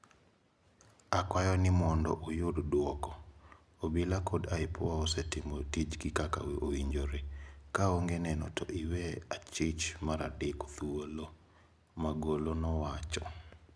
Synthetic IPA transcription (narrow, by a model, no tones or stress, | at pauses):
akwajɔnɪmɔndɔ̰ʔojoddwɔkɔ | obilakʰodaɪpʰɔwaosetɪmotid͡ʒɡɪkaka̰weʔoiɲd͡ʒoɾekaoŋɡenɛnɔ̰tʰɔ̰ʔiweat͡ʃɪt͡ʃmaɾadɪko̥t̪uolo | maɡolonɔwat͡ʃɔ̰